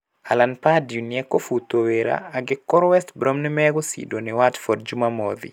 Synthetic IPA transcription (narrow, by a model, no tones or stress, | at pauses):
a̰lanpadjuniɛkːofut̪oweɾa̰ːɡɪkːɔɾwɛstbɾɔmnɪmɛɡɔsḭdonɪwatfɔdd͡ʒumamɔd̪ḭ